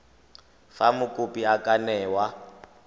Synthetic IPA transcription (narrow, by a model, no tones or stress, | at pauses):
famʊkʼʊpʼiakʼanɛːwa